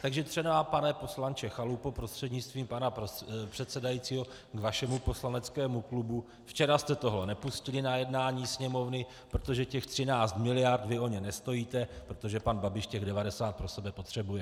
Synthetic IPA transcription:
t̪aɡʒɛt̪r̥ɛnaapanɛpo̞slant͡ʃɛxalupopɾo̞st̪r̥ɛdɲɪt͡st̪viːmpanapr̥ɛt̪sɛdajit͡siːɦo̞ | ɡvaʃɛmupo̞slanɛt͡skɛːmuklubu | ft͡ʃɛɾast̪ɛt̪o̞ɦlɛnɛpuscɪlɪnajɛdnaːɲiːsɲɛmo̞vnɪ | pɾot̪o̞ʒɛcɛxt̪r̝̥ɪnaːt͡st̪mɪlɪjaɾt̪vɪo̞ɲɛnɛst̪o̞jiːt̪ɛpɾo̞t̪o̞ʒɛpanbabɪʃcɛɣdɛvadɛsaːt̪̚pɾo̞sɛbɛpo̞t̪r̝̥ɛbujɛ

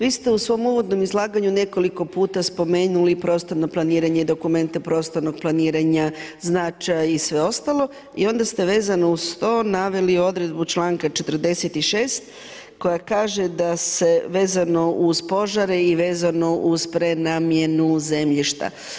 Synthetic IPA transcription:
ʋiːst̪e̞usʋo̞muʋo̞d̪no̞mizlˠaːɡaɲune̞ko̞liko̞puːt̪aspo̞me̞ːnulipɾoːst̪o̞ɾno̞plˠaniːɾaɲeid̪o̞kume̞nt̪epɾo̞ːst̪o̞ɾno̞ɡ̚plˠaniːɾaɲaznat͡ʃajaisʋe̞o̞st̪alo̞ | io̞nd̪ast̪e̞ʋe̞ːzanoust̪o̞ːnaʋe̞lio̞d̪ɾe̞d̪but͡ʃlˠaːŋkat͡ʃe̞t̪rd̪e̞set̪iʃe̞ːst̪ | ko̞jakaːʒe̞d̪ase̞ʋe̞ːzano̞ʔuzpo̞ʒaɾeiʋe̞ːzano̞ʔuzpɾenaːmje̞nuze̞mʎiʃt̪a̰

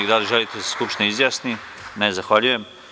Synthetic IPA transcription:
iɡd̪aliʒelit̪eseskupʃt̪ineizjaːsni | nezaxʋaʎujem

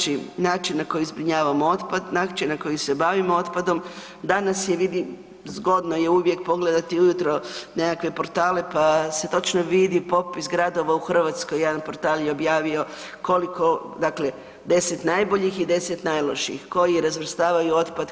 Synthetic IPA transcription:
t͡ʃinaːt͡ʃinnako̞jizbɾiɲaːʋamoo̞t̪pad̪nakt͡ʃenako̞jise̞baʋimo̞o̞t̪pad̪o̞m | d̪anasjeʋid̪i | zɡo̞d̪noje̞uʋje̞k̚po̞ɡle̞d̪at̪iujut̪ɾo̞ne̞kakʋe̞po̞ɾt̪aːle̞pase̞t̪o̞t͡ʃnoʋid̪ipo̞pisɡɾad̪o̞ʋauxr̩ʋat̪skojːed̪anpo̞ɾt̪aːljeobjaːʋio̞ | ko̞liko̞d̪akle̞ | d̪e̞set̪najbo̞ʎixid̪e̞set̪najlˠoʃiḭxko̞jiɾazʋr̩st̪aːʋajuo̞t̪pad̪

